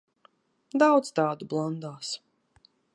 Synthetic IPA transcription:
d̪awd̪zt̪ɑːd̪ublˠand̪aːs

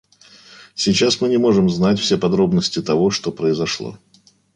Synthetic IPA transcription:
sʲɪt͡ɕasmɨnʲɪmo̞ʐɨmznatʲfsʲepɐd̪ɾo̞bnəsʲtʲɪt̪ɐvo̞ʂt̪o̞pɾəɪzɐʂlˠo̰

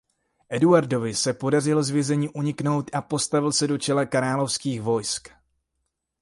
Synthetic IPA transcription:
ʔɛduaɾdo̞vɪsɛpo̞darɪlozvjɛzɛɲiːʔuɲɪkno̞wt̪ʔapo̞st̪avɪlsɛdo̞t͡ʃɛlɛkaɾaːlo̞fskiːxvo̞jsk

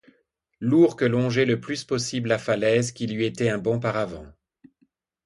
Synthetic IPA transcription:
luʁkəlɔ̃ʒɛləplyspɔsiblafalɛzkʲilɥiet̪ɛɛ̃bɔ̃paʁavɑ̃

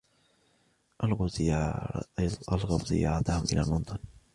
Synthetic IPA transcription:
ʔal | ʔalɣɑbzɪ̰jɑ̰ːɾˤɑt̪ahʊmʔɪ̰la̰ːlmʊnt̪ˤɑn

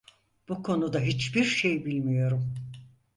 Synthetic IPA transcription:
b̥ukʰo̞nud̪aɦit͡ʃbiɾʃe̞jbilʲmijo̞ɾum

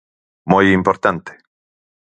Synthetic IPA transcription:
mujimpoɾt̪ant̪e̥

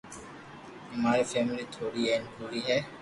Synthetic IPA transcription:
ɪmaːɾefeːmɪlit̪ʰoːɾiːeːnbʰoːɾiːɦɛː

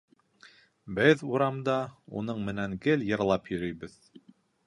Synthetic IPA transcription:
bɘðuɾɑmd̪ɑṵnɤɴmɘ̆næŋɡɘljɤ̆ɾlˠɑpjɵ̆ɾɵ̆jβɘð

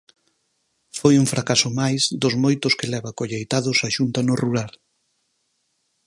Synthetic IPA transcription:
fojuɱfɾʔakasʊmajzd̪ʊzmojt̪ʊskɪlɛβakoʎejt̪aðʊsaʃunt̪anʊruɾal

